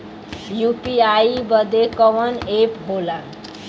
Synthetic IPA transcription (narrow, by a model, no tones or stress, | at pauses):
jupiajibʌd̪ekʌʋʌnepɦola